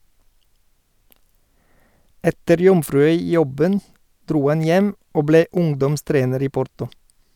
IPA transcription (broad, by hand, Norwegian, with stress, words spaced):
ˈɛtəɾ ˈjɔmfɾʉˌœʏˌjɔbən ˈdɾuː ˈɑn ˈjɛm ˈoː ˈbleː ˈʊŋdɔmˌstɾeːnəɾ ˈiː ˈpɔɾtɔ